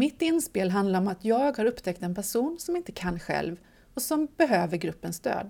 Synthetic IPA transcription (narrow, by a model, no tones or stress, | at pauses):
mɪt̪ːɪnspeːlɦand̪laɾɔmat̪jɑːɡhaɾɵpːt̪ʰɛkt̪ɛnpʰæʂuːnsɔmɪnt̪əkʰanːɧɛ̰lv | ɔsɔmb̥ɛɦøːvəɾɡɾɵpːənsd̪ø̰ːd̪